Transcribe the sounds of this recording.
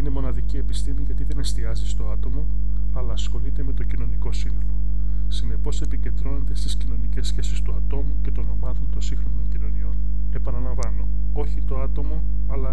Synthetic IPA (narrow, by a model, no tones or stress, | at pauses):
ine̞mo̞nɐðicie̞pist̪imiʝɐt̪iðe̞ne̞st̪iɐzist̪o̞ɐt̪o̞mo̞ | ɐlɐːsxo̞lit̪e̞me̞t̪o̞cino̞niko̞sinoo | sine̞po̞se̞pice̞nd̪ɾo̞nod̪e̞st̪iscino̞nice̞sçe̞sist̪uɐt̪o̞muce̞t̪o̞no̞mɐðont̪o̞nsiŋxɾo̞no̞ɲcino̞nio̞n | e̞pɐnɐlɐɱvɐno̞ | o̞çit̪o̞ɐt̪o̞mo̞ | ɐlɐ